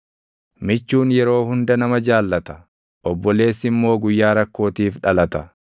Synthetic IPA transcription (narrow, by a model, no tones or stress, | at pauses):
mɪt͡ʃːuːnjɛɾo̞ːhʊnd̪ɐnɐmɐd͡ʒaːlːɐt̪ɐ̥ | ʔɔbːɔle̞ːsːɪmːo̞ːɡʊjːaːɾɐkːo̞ːt̪iːfᶑɐlɐt̪ɐ